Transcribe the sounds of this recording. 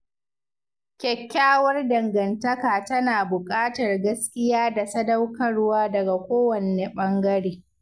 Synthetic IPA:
kʲɛ˨kʲːaː˦wɐ˦rdɐ˨ŋɡɐ˨ntɐ˦kaː˨tɐ˦naː˨bʊ˨kʼaː˦tɐ˨rɡɐ˦skʲɪ˦jaː˦da˨sɐ˦dɐ˦wkɐ˦rwaː˦dɐ˨ɡa˨kʷoː˦wɐ˨neː˨ɓɐ˦ŋɡɐ˦ɽeː˨˦

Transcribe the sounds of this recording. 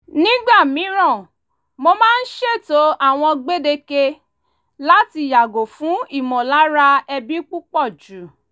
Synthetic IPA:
nĩ˦ɡ͡ba˦˨mĩ˨˦ɾ̃ɔ̃˦˨ | mo˧mãː˦n̩˦ʃe˦˨to˨˦a˦˨w̃ɔ̃˧ɡ͡be˦de˧ke˧ | la˦ti˧˨ja˨ɡo˨fũ˨˦i˦˨mɔ̃˨la˨˦ɾa˧ɛ˧bi˦k͡pu˦k͡pɔ˦˨d͡ʒu˨˦

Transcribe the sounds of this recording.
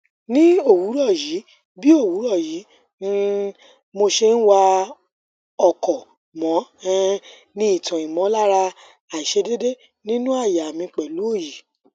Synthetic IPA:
nĩ˦o˦˨wu˨˦ɾɔ˦˨ji˨˦ | bi˦o˦˨wu˨˦ɾɔ˦˨ji˨˦ | mo˧ʃe˧n̩˦wa˧ | ɔ˨kɔ˨ | mɔ̃˨˦ | nĩ˦i˦˨tã˨i˨mɔ̃˨˦la˦ɾa˧ | a˨i˨ʃe˧de˦de˦ | nĩ˦nũ˦a˦˨ja˨mĩ˧k͡pɛ˨lu˨˦o˦˨ji˨

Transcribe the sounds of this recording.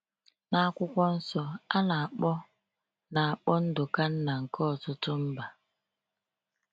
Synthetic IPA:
na˦a˦kʷʊ˦kʷɔ˦n̩˦sɔ˦a˦na˨a˨k͡pɔ˦ | na˨a˨k͡pɔ˦n̩˦dʊ˨ka˦n̩˦na˨ŋ̩˨kɔ˦˨tʊ˦tʊ˦m̩˦ba˨

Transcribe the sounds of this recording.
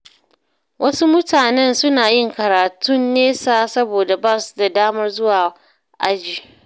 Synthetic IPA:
wʔɐ˦su˦mʊ˦tʰaː˨nɛ˦nsʊ˦naː˨jɪ˦˨ŋkɐ˨ɾaː˨tʊ˦nːeː˦saː˦sɐ˦boː˨da˨baː˦˨su̥˨da˨daː˦mɐ˦rzʊ˦waː˨ | ʔa˦d͡ʒiː˨

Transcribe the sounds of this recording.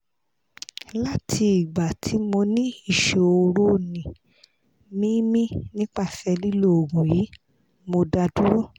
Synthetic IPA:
la˦tʰi˧i˨ɡ͡ba˨tʰi˨˦mo˧nĩ˦i˦˨ʃe˨o˧ɾo˦˨nĩ˨ | mĩ˦mĩ˦nĩ˦k͡pa˦˨fɛ˧li˦lo˦˨o˨ɡũ˨ji˨˦ | mo˧da˧du˦ɾɔ˦˨

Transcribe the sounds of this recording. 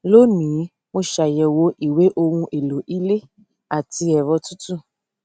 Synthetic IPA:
lo˦nĩ˨˦ | mo˧ʃa˨jɛ˨wo˧˦ʔi˨we˦ʔo˧ŋũ˧ʔe˨lo˨ʔi˦le˦ | a˨ti˧ɛ˨βɔ˧tu˦tu˦˨

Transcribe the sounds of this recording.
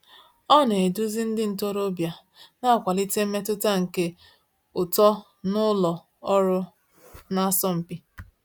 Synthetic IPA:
ɔ˦˨n˨e˨e˨du˦zi˦n̩˦dɪ˦n̩˨to˦ɾo˦bja˨ | na˦a˨kʷa˨li˦te˦m̩˦me˦tʊ˦ta˦ŋ̩˨ke˦ | ʊ˨tɔ˦ | nʊ˦lɔ˨ | ɔ˦ɾʊ˦ | na˦sɔ˦m̩˨pi˦

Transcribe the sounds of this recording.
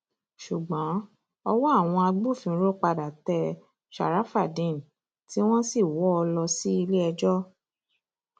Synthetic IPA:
ʃu˨ɡ͡bɔ̃˨˦ | ɔ˧wɔ˦a˦˨w̃ɔ̃˧a˧ɡ͡bu˦˨fĩ˧˦ɾo˦˨k͡pa˧da˨tɛ˧ | ʃa̰˨ɾa˨˦fa˦˨dĩ˨n˨ | ti˦w̃ɔ̃˦si˦˨wɔ˦ɔ˧lɔ˧si˦i˧le˦ɛ˧d͡ʒɔ˦

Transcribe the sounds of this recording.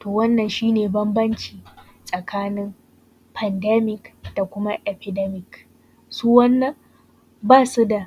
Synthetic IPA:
toː˨wɐ˦nːɐ˨nʃiː˦neː˨bɐ˦mbɐ˦nt͡ʃiː˨ | sʼɐ˨kʰaː˦nɪ˦m | pʰɐ˨ndɛ˦mɪ˨kd̥a˨kʷʊ˦ma˦ʔɛ˨pɪ˨dɛ˦mɪ˨k | suː˦wɐ˦nːɐ˨ŋ | baː˦˨su˦da˨

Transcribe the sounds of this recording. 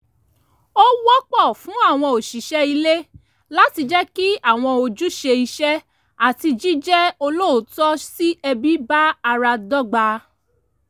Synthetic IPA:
o˦wɔ˦k͡pɔ˦˨fũ˨˦a˦˨w̃ɔ̃˧o˨ʃi˨ʃɛ˦i˧le˦ | la˦ti˧d͡ʒɛ˦ki˦a˦˨w̃ɔ̃˧o˧d͡ʒu˦ʃe˧i˧ʃɛ˦ | a˦˨ti˧d͡ʒi˦d͡ʒɛ˦o˧lo˦o˨˦tɔ˦si˦ɛ˧bi˦ba˦a˧ɾa˧dɔ˦ɡ͡ba˧

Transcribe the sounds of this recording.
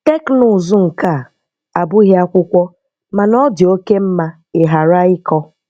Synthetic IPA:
te˦knʊ˨zu˦ŋ̩˨ka˦˨ | a˨bʊ˦i˦ɦe˦a˦kʷʊ˦kʷɔ˦ | ma˨nɔ˦dɪ˨o˦ke˦m̩˦ma˦ | e˨ɦa˨ɾa˦ɪ˦kɔ˦

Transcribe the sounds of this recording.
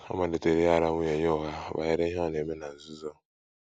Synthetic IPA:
a̰˦ma˨de˨te˨ɾe˦ja˦˨ɾa˦ŋʷu˦e˨ɲɔ˦ɔ˦˨ɣa˦ba̰˨je˦ɾe˦ɦa˦˨ne˨me˦na˨n̩˨zu˦zɔ˦

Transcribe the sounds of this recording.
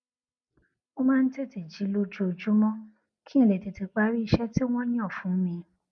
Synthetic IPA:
o˦mãː˦˧n̩˦te˦˨ti˨d͡ʒi˨˦lo˦d͡ʒo˦o˧d͡ʒu˦mɔ̃˦ | kʰi˦ĩ˦˨le˨ti˨ti˧k͡pa˦ɾi˦i˧ʃɛ˦ti˦w̃ɔ̃˦j̃ɔ̃˦˨fũ˨˦mĩ˧

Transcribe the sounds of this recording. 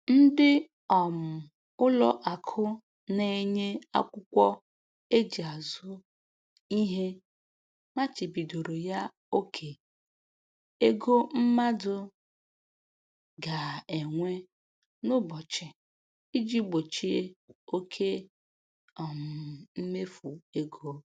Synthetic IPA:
n̩˦dɪ˦ | ɔ˨m̩˨ | ʊ˦lɔ˦ʔa˨kʰʊ˦ | ne˨ɲe˦a̰˦kʷʊ˦kʷɔ˦ | e˦d͡ʒi˨a˨zʊ˦ | i˦ɦe˦ | ma˦t͡ʃi˨bi˨do˨ɾo˨ja˦ | o˦kʰe˨ | e˦ɡo˦m̩˦ma˦dʊ˦ | ɡa˨e˨ŋʷe˦ | nʊ˦bɔ˨t͡ʃɪ˨ | i˦d͡ʒi˦ɡ͡bo˨t͡ʃi˦e˦o˦kʰe˦ | ɔ˨m̩˨m̩˦me˦fu˨e˦ɡo˦

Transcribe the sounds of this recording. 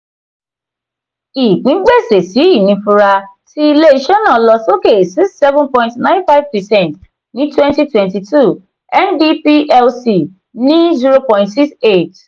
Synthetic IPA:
i˨k͡pĩ˨˦ɡ͡be˦˨se˨si˨˦i˦˨nĩ˧fu˧ɾa˧ti˦i˦le˦i˧ʃɛ˦nã˨˦lɔ˧so˦ke˦˨si˦kssɛ˦vũnpɔ̃˧jĩntnã˦ɪ̃˦nfa˦ɪvpɛ˨sɛ̃˦˨nt | nĩ˨˦twɛ̃˦nti˦twɛ̃˨nti˨tu˦˨ | ɛ˦ndi˦pi˦ʔɛ˦lsi˨ | nĩ˨˦zi˦ɾo˦pɔ̃˧ĩ˦ntsi˦kse˦˨t

